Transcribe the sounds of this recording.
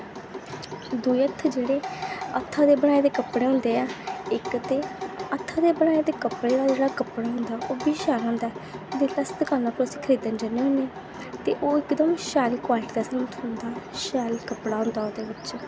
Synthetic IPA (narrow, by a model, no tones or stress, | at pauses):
d̪uːiət̪ʰːd͡ʒeːɽeːət̪ʰːaːd̪eːbəɽ̃aːeːd̪eːkəpɽeːɦʊ̃nd̪eːaːɪkt̪eːət̪ʰːaːd̪eːbəɽ̃aːeːd̪eːkəpɽeːd̪aːd͡ʒeːɽaːkəpɽaːɦʊ̃nd̪aːʔoːbiːʃaːlɦõːnd̪aɛːd̪eləst̪əkaːnaːpɾosiːkʰəɾiːd̪ənd͡ʒənːeːɦʊ̃ːne | t̪eːʔoːɪkd̪əmʃaːliːkaːlʈd̪ɛːsənət̪ʰʊnd̪aːʃaːliːkəpɽaːɦʊ̃nd̪aːoːd̪eːbɪt͡ʃ